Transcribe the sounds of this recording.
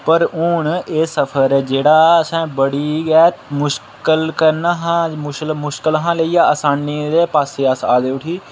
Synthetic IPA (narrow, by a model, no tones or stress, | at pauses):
pəɾʊɳeːsəpʰəɾɛːd͡ʒeːɽaːəsãːbəɽiːɡɛːt̪mʊʃ | kəlkəɾnaɦãːʊʃlmʊʃkəlɦãːleiːjaːəsaːnːiːd̪eːpaːseːəsaːd̪eːʊʈʰiː